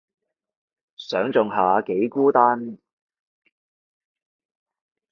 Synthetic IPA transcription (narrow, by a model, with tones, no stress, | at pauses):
sœː˨˥ŋt͡sʊ˨ŋɦaː˨˥ke˨˥jkuː˥t̪aː˥n